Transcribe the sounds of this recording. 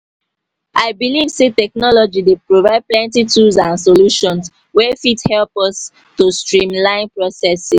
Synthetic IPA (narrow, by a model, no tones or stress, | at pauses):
ʔaɪbilivsetɛknɔlɔd͡ʒidepɹovaɪd̚plɛ̃ntitʰuzãnsoluʃɔ̃ns | wɛfithɛlpɔs | tustɹĩmlãɪ̃npɹɔsɛsi